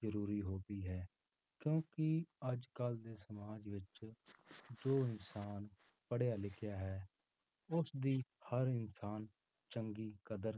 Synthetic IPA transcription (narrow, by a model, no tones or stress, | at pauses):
zəɾuːɾiːɦoːbiːɦɛː | kjõːkɪəd͡ʒkəld̪eːsəmaːd͡ʒʋɪt͡ʃ | d͡ʒoːɪnsaːn | pəɽjaːlɪkʰɪjaːɦɛː | ʊsd̪iːhəɾɪnsaːn | t͡ʃəŋɡiːkəd̪əɾ